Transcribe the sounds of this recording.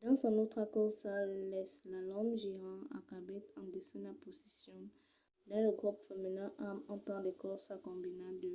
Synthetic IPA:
d̪ɑ̃sɔ̃not̪χakɔʁsalɛslalɔ̃mʒiʁɑ̃a̰kabɛt̪ɑ̃d̪esɛ̃naposi̥sjɔ̃ | d̪ɑ̃ləɡʁupfemənœʔamɑ̃paʁd̪ekɔʁsakɔ̃binablə

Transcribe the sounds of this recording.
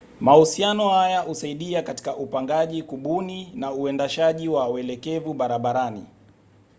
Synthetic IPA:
mahusianɔhajahusaiɗiakati̥kaʔupaŋɡaʄikuɓuninauɛndaʃaʄiwauɛlɛkɛvuɓaɾaɓaɾanḭ

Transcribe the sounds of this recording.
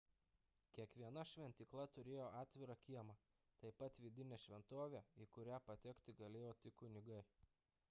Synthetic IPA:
kʲiɛkʋʲiɛnɐʃʲʋʲɛnʲt̪ʲɪklˠɐt̪ʊɾʲeːjoːʔɑːt̪ʲʋʲɪɾɑkʲiɛmɐ | t̪ɐɪpɐt̪ʋʲɪd̪ʲɪnʲeːʃʲʋʲɛnt̪oːʋʲeikʊɾʲæːpɐt̪ʲɛkʲt̪ʲɪɡɐlʲeːjoːt̪ʲɪkʊnʲɪɡɐɪ

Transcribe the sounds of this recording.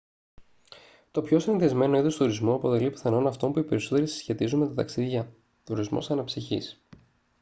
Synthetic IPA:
t̪o̞pço̞sinðezme̞no̞iðost̪uɾizmuɐpo̞t̪e̞lipθɐno̞nɐft̪o̞mpuipe̞ɾiso̞t̪e̞ɾisi̥sçe̞t̪izunme̞t̪ɐt̪ɐksiðʝɐ | t̪uɾizmo̞̰sɐnɐpsiçḭs

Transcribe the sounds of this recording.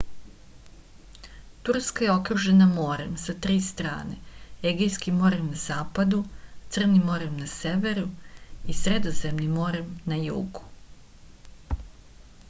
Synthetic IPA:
t̪uɾskajeo̞kɾuʒe̞namo̞ːɾe̞msat̪ɾiːst̪ɾa̰ːne̞eɡejskimːo̞ːɾemnaz̥aːpad̪ut̪sɨr̩nimːo̞ːɾemnaseʋe̞ɾuisɾe̞d̪o̞ze̞mnimːo̞ɾemnajṵːɡu̥

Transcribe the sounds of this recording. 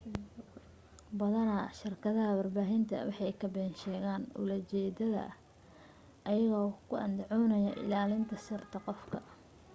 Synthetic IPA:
bɐðɐnɐʃɪrkʰɐðɐɦɐwɐrbaːɦɪnt̪ʰɐ̰wɑħɑjkʰɐbɛːnʃɛːɣaːnʊ̰lɐt͡ʃɛːd̪ɐðɐ̰ | ʔɐjɐɣɔːkʰʊʔɐ̰nd̪ʊʕɔnɐjɐʔɪ̰laːlɪnt̪ʰɐsʊrt̪ʰɐqɔfkʰɐ

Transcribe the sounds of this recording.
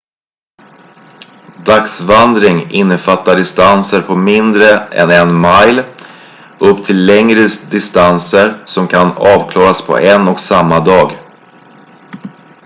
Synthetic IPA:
d̪aksvand̪ɾɪŋɪnːəfat̪ːaɖɪst̪ansəɾpʰɔmɪnd̪ɾəɛ̰nɛnmajl | ɵpːt̪ʰɪlːɛŋɾəd̪ɪst̪ansəɾsɔmkʰanɑːvkʰlɑːɾaspʰɔ̰ʔɛnɔksamːad̪ɑːɡ

